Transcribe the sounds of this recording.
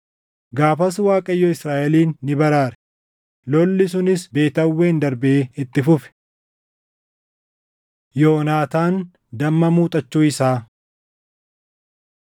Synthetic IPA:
ɡaːfɐs̬waːkʼɐjːɔɪsɾaːʔɛliːnːɪbɐɾaːɾɛ̥ | lɔlːɪsʊnɪsbe̞ːt̪ɐwːeːnd̪ɐɾbɛʔeːɪt̪ːɪfʊfɛ̥ | joːnaːt̪aːn | d̪ɐmːɐmuːt̪ʼɐt͡ʃːuːɪsaː

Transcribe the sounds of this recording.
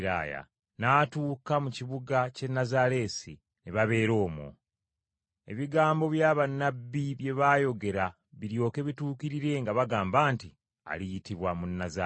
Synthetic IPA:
ɾa̰ːja̰ | naːtuːkamuciβuɡace̞nːazaɾe̞si | neβaβe̞ːɾo̞ːmwo̰ | e̞̰βiɡaːmbo̞βjaːβanːabːiβje̞βaːjo̞ɡe̞ɾa | βiɾjo̞ːke̞βituːkiɾiɾe̞ŋɡaβaɡaːmbaːnti | a̰lijitiβwamunːaza

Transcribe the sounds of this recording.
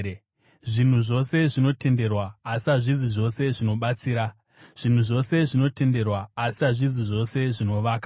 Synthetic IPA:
ʐin̤uʐo̞seʐino̞te̞nde̞rwaːsiaʐiziʐo̞se̞ʐino̞ɓat͡siːɾa | ʐ̥in̤uʐo̞se̞ʐino̞te̞nde̞rwaːsiaʐiziʐo̞se̞ʐino̞ʋaːka

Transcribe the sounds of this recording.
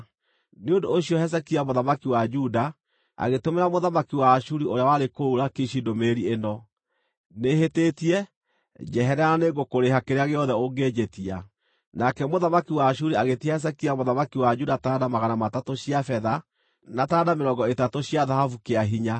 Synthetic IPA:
neondoːɕiɔhɛs̬ɛkiamoðamakiwad͡ʒuda | a̰ɣetomeɾamoðamakiwaʃuɾioɾeawaɾekouɾakiʃidomeɾienɔ | nehetetiɛ | d͡ʒɛɦɛɾɛaɾaneɡokoɾeɦakeɾeaɣeɔðɛoŋɡed͡ʒetia | nakɛmoðamakiwaʃ̬uɾiaɣetiahɛs̬ɛkiamoðamakiwad͡ʒudataːdamaɣanamatatoɕijafɛða | nataːdameɾɔŋɡɔetatoɕijaðahafukeaɦiɲa

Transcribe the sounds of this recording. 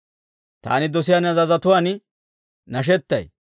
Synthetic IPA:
t̪a̰ːnɪd̪ɔsɪjaːnɐzɐzɐt̪ʊwaːn | nɐʃ̬ɛt̪ːɐ̰j

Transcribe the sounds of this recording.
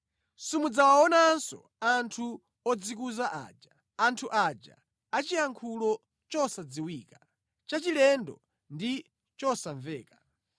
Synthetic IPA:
sumud͡zawaɔnansɔ̰ | antʰu | ɔd͡zikuzaʔa̰d͡ʒaː | ntʰuʔad͡ʒa̰ | at͡ʃijaŋkʰulɔ | t͡ʃɔsad͡ziwiːka | t͡ʃat͡ʃilɛndɔ | ndi | t͡ʃɔsaɱvɛːka

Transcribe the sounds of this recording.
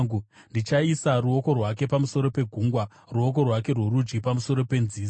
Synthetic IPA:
undit͡ʃaisaruoko̞rwake̞pamuso̞ɾo̞pe̞ɡʱuːŋɡwa | ruo̞k̬o̞rwake̞rweɾud͡ʒɡipamuso̞ɾo̞pe̞nziː

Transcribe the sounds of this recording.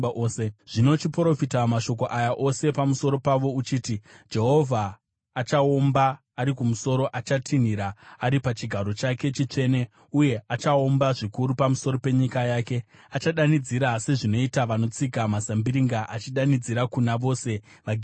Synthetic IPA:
eʐ̥ino̞t͡ʃipro̞fitamaʃo̞k̬o̞ʔajaʔo̞se̞pamuso̞ɾo̞paʋo̞ut͡ʃiːtid͡ʒe̞ɦo̞vʱaː | t͡ʃaombaː | ɾikumuso̞ɾo̞ʔat͡ʃatʰin̤iɾaaɾipat͡ʃiɡʱaɾo̞t͡ʃake̞t͡ʃit͡ʂe̞ne̞ | uje̞at͡ʃaombaʐikuɾupamuso̞ɾope̞ɲikajaːke̞at͡ʃaɗanid͡ziɾase̞ʐino̞itaʋano̞t͡sikamazambiɾiŋɡaʔat͡ʃiɗanid͡ziɾakunaʋo̞ːse̞ | ʋaɡʱ

